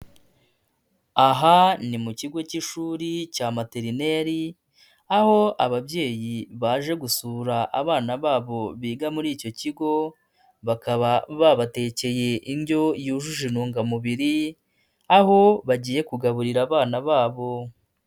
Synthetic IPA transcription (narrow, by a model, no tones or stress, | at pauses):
aɦanimuciɡo̞ciʃuːɾicaːmateɾine̞ɾi | aho̞aβabɟe̞ːjiβaːʒe̞ɡusuːɾaʔaβaːnaβaːβo̞βiːɡamuɾiːco̞ciɡo̞ | βakaβaβaβate̞ce̞je̞ʔiɲɟo̞juːʒuʒinuːŋɡamuβiɾi | aho̞βaɟiːje̞kuɡaβuɾiɾaːβaːnaβaːβo̞